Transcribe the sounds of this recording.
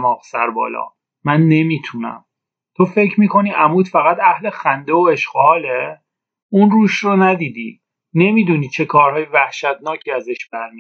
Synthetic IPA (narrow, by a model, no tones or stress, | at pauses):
mɒːqsæɾbɒ̰ːlɒ̰ː | mænːe̞miːt̪ʰunæ̰m | t̪ʰofe̞cʰɾmiːkʰo̞niːʔæmuːt̪fæɣæt̪æhle̞xænd̪e̞oe̞ʃɢohɒːle | unruːʃronæd̪iːd̪ḭː | ne̞miːd̪uniːt͡ʃʰe̞kʰɒːɾhɒːjevæhʃæt̪nɒːcʰiːæzeʃb̥æɾmi